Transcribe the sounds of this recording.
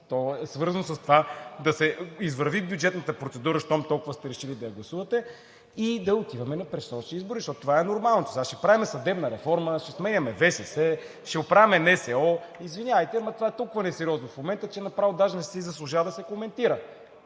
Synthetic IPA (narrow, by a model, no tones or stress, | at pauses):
t̪ɔɛsvɤɾzɐnosɐst̪ovad̪ɐsɛizvəɾvibʲjud͡ʒɛt̪nət̪əpɾot̪sɛd̪uɾəʃt̪ɔmt̪ɔlˠkʊvəst̪ɛɾɛʃilid̪ɐjɐɡlˠɐsuvɐt̪ɛ | id̪ɐot̪ivɐmɛnɐpɾɛsɔʃiizbʊɾizeʃt̪ɔt̪ʊt̪ovaɛnoɾmalˠnot̪osaʃɛpɾavimɛsɐd̪ɛbnəɾɛfɔɾməʃɛsmɛɲʲɐmɛvɛsɛsɛ | ʃɛʊpɾavɛmɛnɛsɛɔizvinʲavəjt̪ɛmɐt̪ovaɛt̪ɔlˠkʊvənɛsɛɾiɔznofmomɛnt̪ət͡ʃɛnɐpɾavod̪aʒnɛsɛizɐslˠʊʒavɐd̪ɐsɛkomɛnt̪iɾə